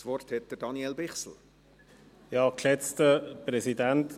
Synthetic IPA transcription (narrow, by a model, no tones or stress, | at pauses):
svɔrthɛt̚d̥əɾdɑniɛlbɪχsl̩ | jɑːklɛt͡stəpɾɛsidænt